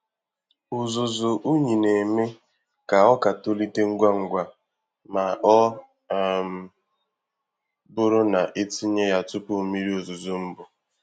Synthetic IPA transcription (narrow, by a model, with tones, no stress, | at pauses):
ʊ˨zʊ˨zʊ˨ʔu˦ɲi˨ne˨me˦ | ka˨ɔ˦ka˨to˦li˦te˦ŋ̩˦ɡʷa˦ŋ̩˦ɡʷa˦ | ma˨ɔ˦˨ | m̩˦ | bʊ˦ɾʊ˦na˨ʔe˦ti˦ɲe˦ja˨tʊ˦po˦˨mi˦ɾi˦o˨zʊ˨zʊ˦m̩˦bʊ˨